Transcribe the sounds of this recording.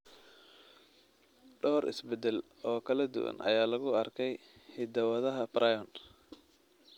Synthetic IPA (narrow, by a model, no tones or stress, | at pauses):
ɖɔːɾɪ̰sbɛd̪ɛl | ɔːkʰɐlɐd̪ʊ̰wɐ̰nʔɐ̰jaːlɐɣʊɐrkʰɛjhɪd̪ɐwɐðɐɦɐbɾɐjɔn